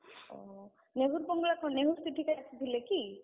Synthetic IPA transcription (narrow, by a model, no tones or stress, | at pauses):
ɔ̰ | neɦuɾbɔŋɡlakʰɔneɦust̪ʰiʈʰikajasid̪ileki